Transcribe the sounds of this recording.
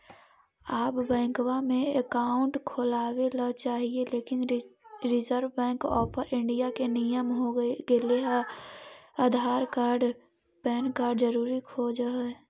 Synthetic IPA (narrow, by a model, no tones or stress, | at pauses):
aːpbɛ̃ːŋkwamẽekaːʊ̃ɳʈkʰʊlaːwelat͡ʃaːɦieleːkɪnɾɪzəɾʋbɛ̃ːŋkɔːpʰəɾʔɪ̃ɳɖijakenɪjəmɦoɡeleɦɛ | ad̪ʱaːɾkaːɾɖ | pɛːnkaːɾɖzəɾuːɾikʰoːd͡ʒɦɛ